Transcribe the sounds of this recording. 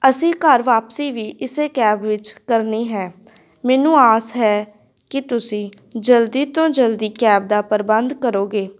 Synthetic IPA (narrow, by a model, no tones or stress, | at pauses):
əsĩːkəɾʋaːpsiːʋiːʔɪseːkɛːbʋɪt͡ʃkəɾniːɦɛː | mɛːnũːaːsɦɛː | kɪt̪ʊsĩː | d͡ʒəld̪iːt̪õːd͡ʒəld̪iːkɛːb̚d̪aːpəɾbənd̪kəɾoːɡeː